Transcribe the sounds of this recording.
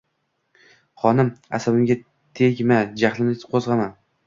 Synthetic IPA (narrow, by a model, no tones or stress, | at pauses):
χɒnɪma̰sabɪmɡʲa | t̪ʰeɡʲmad͡ʒaχlˠɪnɪqʰozʁɑman